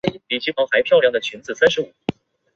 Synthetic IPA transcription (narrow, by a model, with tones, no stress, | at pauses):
i˥li˨˩t͡ɕʰi˧˥fɑ˧˥ŋxa˧˥ɪpʰjɑ˥˧ʊljɑ˥˩ŋd̪ə˩t͡ɕʰy˧˥nt͡sɹ̩˨˩sa˥nʂɻ̩˧˥u˨˩˥